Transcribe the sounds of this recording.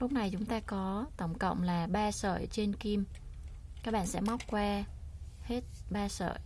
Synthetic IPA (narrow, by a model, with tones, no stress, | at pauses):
lʊ˦˥k͡p̚na˨˩jt͡ɕʊ˨˦ŋ͡mt̪aː˧kɔ˨˦t̪ə̰˧˩wŋ͡mkə̰˧˨wŋ͡mlaː˨˩ɓaː˧sə̰ː˧˨jt͡ɕe˧nki˧m | kaː˦˥k̚ɓa̰ː˧˨nsɛ̰˧˥ma˦˥k͡p̚kwaː˧he˦˥t̚ɓaː˧sə̰ː˧˨j